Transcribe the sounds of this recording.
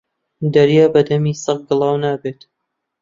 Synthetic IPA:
d̪ɐɾjaːbɐd̪ɐmiːsɐq̚ɡɨlˠɑːwnaːbeːt̪

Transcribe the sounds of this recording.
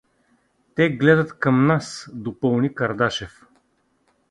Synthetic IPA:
t̪ɛɡlɛd̪ət̪kɐmnasd̪opɤlˠnikɐɾd̪aʃɛf

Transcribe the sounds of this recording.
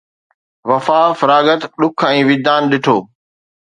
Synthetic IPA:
ʋɐfaːfɾaːɡət̪ɗʊkʰɛ̃ːʋɪd̪aːnɗɪʈʰoː

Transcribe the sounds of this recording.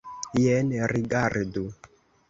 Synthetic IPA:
jɛnɛɾiɡaɾdu

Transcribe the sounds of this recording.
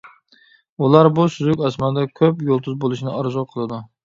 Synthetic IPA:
ulˠaɾbʊsʊzʊkʲɑsmand̪akʲʰøpjolˠt̪ʰʊzbolˠɪʃnɪɑɾzɑqʰəlˠɪd̪ʊ

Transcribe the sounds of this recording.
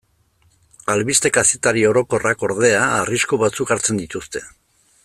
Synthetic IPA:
alβist̪e̞kaset̪aɾio̞ɾo̞ko̞rako̞ɾðe̞aːriskuβat͡sukaɾt͡se̞nd̪it̪ust̪e̞̥

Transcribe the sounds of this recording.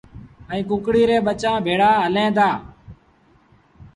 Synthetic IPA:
əĩːkʊ̃ːkɽiːɾeːɓət͡ʃãːbʱeːɽaːɦəlẽːd̪aː

